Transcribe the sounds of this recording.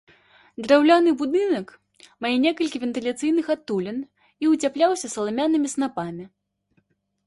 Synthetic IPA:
d̪ɾawlʲanɨbud̪ɨnɐk | majɛnʲɛkɐlʲkʲivʲɛnt̪ɨlʲat̪sɨjnɨxat̪ːulʲɛn | iut͡sʲaplʲawsʲɐsɐlˠamʲanɨmʲisnapamʲi

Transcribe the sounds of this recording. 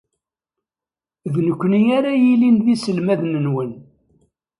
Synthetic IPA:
ðnəkʷːnijaɾajilinðisəlmæðnənwən

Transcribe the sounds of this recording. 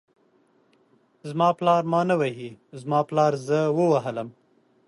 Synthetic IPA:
zmɑplɑːɾmɑːnawaɦizmɑːplɑːɾzəwəwaɦələm

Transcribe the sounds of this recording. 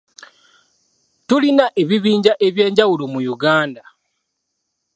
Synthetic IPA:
tulinaʔe̞βiβiːɲɟaʔe̞βje̞ːɲɟawulomujuɡaːnda

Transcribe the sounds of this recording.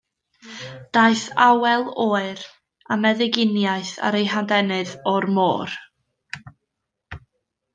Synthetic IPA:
d̥ajθawɛlˠoːɨɾ | amɛðɪɡɪnjaɨθa̰ɾejɦandɛnɨðɔrmo̰ːr

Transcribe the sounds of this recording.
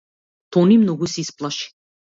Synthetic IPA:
t̪ɔnimnɔɡusisplˠaʃi̥

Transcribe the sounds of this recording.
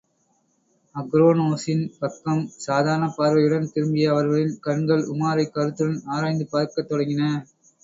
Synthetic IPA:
ɐɡɾoːnoːsɪnpɐkːɐmsaːðaːɾɐnɐpaːɾʋɐɪjɯɽɐnt̪ɪɾɯmbɪjɐɐʋɐɾɣɐɭɪnkɐɳɡɐɭʊmaːɾɐɪkːɐɾɯt̪ːɯɾɐnaːɾaːjnd̪ɯpaːɾkɐt̪ːɔɽɐŋɡɪnɐ

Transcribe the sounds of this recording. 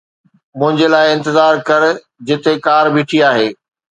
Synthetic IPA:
mʊ̃ɦɪ̃ɲd͡ʑelaːɪɪ̃nt̪ɪzaːɾkɐɾ | d͡ʑɪt̪ekaːɾbɪːʈʰiaːɦeː

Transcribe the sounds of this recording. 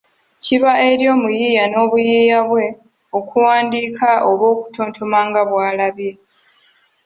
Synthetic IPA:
ciβae̞ɾjo̞ːmujiːjano̞ːβujiːjaβwe̞ | o̞kʰuwaːndiːkʰaʔo̞βo̞ːku̥tʰoːntʰomaːŋɡaβwaːlaβje̞

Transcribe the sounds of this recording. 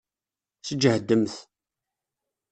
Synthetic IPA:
səd͡ʒːəhəd̪ːəmθ

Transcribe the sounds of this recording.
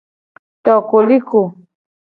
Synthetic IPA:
t̪okʊlɪkʊ

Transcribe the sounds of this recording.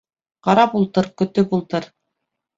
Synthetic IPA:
qɑɾɑpulˠt̪ɤɾkɵ̆t̪ɵpulˠt̪ɤɾ

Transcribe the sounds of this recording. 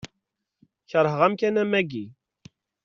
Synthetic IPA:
çəɾˤɦəʁæmkænæmæɡi

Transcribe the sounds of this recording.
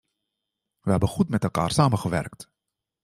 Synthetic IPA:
ʋəɦɛbəχutmɛtɛlˠka̰ːrsaːməɣəʋɛ̰rkt

